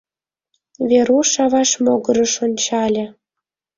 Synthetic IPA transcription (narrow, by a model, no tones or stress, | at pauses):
vʲeɾuʃɑβɑʃmoɣɤɾəʃonʲt͡ɕɑlʲĕ